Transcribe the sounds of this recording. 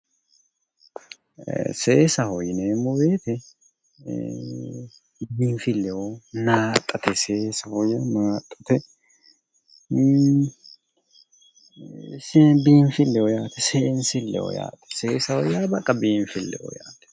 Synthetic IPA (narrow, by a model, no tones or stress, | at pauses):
seːsɐhɔjɪneːmʊbeːt̪ɛ | biːnfɪlːɛwonaːt̪ʼːɐt̪ɛseːsɐhɔjɐmaːt̪ʼːɐ̥t̪ɛ | sbiːɱfɪlːɛojaːt̪ɛseːnsɪlːɛ̰o̰ja̰ːt̪ɛ̥seːsɐhɔjːaːbɐkʼːɐbiːɱfɪlːɛ̰ʔo̰ja̰ːt̪ɛ̥